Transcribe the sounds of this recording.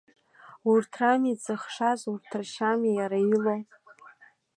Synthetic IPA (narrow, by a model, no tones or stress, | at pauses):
urtʰramit͡sɨχʂazurtʰrʃamijaɾailow